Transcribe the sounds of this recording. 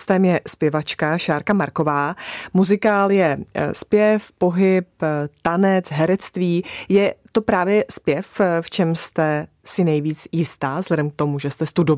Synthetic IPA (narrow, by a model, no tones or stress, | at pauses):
st̪ɛmjɛspjɛvat͡ʃkaʃaːɾkamaɾko̞vaːmuzɪkaːljɛspjɛfpo̞ɦɪpt̪anɛt͡sɦɛɾɛt͡st̪viːjɛt̪o̞pɾaːvjɛspjɛfft͡ʃɛmst̪ɛ | sɪnɛjviːt͡sjɪst̪aːzlɛdɛmk̚t̪o̞muʒɛst̪ɛst̪udo